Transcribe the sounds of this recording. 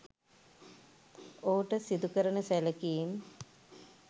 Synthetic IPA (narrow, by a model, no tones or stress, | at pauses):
oːuʈəsid̪ukəɾənəsæləkijim